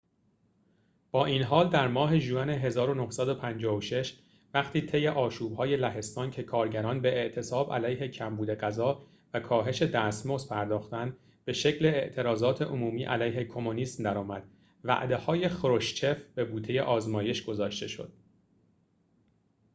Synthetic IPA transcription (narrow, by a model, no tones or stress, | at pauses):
b̥ɒːʔinɦɒːld̪æɾmɒːɦe̞ʒuæne̞ɦe̞zɒːɾo̞nohsæd̪o̞pʰænd͡ʒɒːvoʃe̞ʃ | væχt̪ʰiːt̪ʰe̞je̞ʔɒːʃuːbhɒːje̞læɦe̞st̪ɒːncʰe̞kʰɒːɾɟæɾɒːnbeeʔt̪ʰe̞sɒːbæ̰læjɦe̞cʰæmbuːd̪e̞ɢæzɒː | vækʰɒːɦe̞ʃe̞d̪æːsmozpʰæɾd̪ɒːxt̪ænd̪ | b̥e̞ʃe̞cʰle̞ːʔt̪ʰe̞ɾɒːzɒːt̪ʰe̞ʔomuːmiːʔælæjɦe̞kʰo̞moniːsmd̪æɾɒːmæd̪̥ | væ̰ʔd̪e̞hɒːje̞xɾo̞ʃt͡ʃʰe̞fb̥e̞buːt̪ʰeje̞ʔɒːzmɒːje̞ʃɡ̥o̞zɒːʃt̪e̞ʃo̰d̪̥